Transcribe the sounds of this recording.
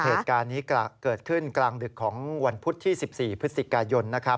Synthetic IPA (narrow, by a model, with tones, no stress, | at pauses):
heː˨˩t̪̚kaː˧nːiː˦˥kaː˧kɤː˨˩t̪̚kʰɯ˥˩nklaː˧ŋdɯ˨˩kʰːɔː˩˦ŋwa˧npʰu˦˥t̪ʰːiː˥˩si˨˩p̚siː˨˩pʰɯ˦˥t̪si˨˩kaː˧jo˧nːa˦˥kʰɾa˦˥p̚